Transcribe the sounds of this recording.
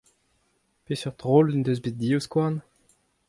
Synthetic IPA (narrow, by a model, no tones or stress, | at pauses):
pesyʁd̪ʁolynd̪øzbet̚d̪ioskwaʁn